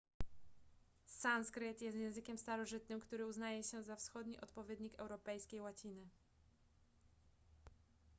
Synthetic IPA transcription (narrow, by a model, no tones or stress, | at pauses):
sanskɾɘt̪jɛst̪jɛ̃ñzɘkʲɛmst̪aɾɔʐɘt̪nɘmkt̪uɾɘuznajɛɕɛzafsxɔd̪ɲḭʔɔt̪pɔvʲjɛd̪ɲikɛ̰wɾɔpɛjskʲejwat͡ɕinɘ